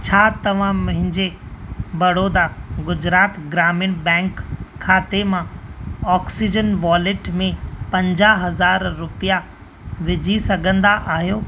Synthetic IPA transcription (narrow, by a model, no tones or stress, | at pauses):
t͡ɕʰaːt̪ɐʋ̤ãmʊ̃ɦɪ̃ɲd͡ʑebɐɽoːd̪aɡʊd͡ʑɾaːt̪ɡɾaːmɪñbɛ̃ːŋkʰːaːt̪emãɔːksid͡ʑənʋaːlɪʈmẽpɐ̃ɲd͡ʑaɦɐzaːɾːʊpija | ʋɪd͡ʑʱisɐɡʱə̃nd̪aʔaːɦijoː